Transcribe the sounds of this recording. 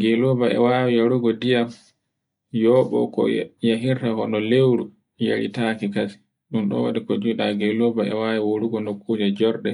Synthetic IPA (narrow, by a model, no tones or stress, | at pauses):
ɡelobaɛ̰wawijoɾuɡɔdijam | jɔɓɔ̰kɔ̰jaɦiɾtahɔɗɔlewɾu | jḛɾḭtakikasi̥ | ɗumɗɔ̰wa̰ɗikɔd͡ʒuɗaɡelobaɛ̰waːwiwoɾuɡɔnokʰːuːd͡ʒad͡ʒɔɾɗɛ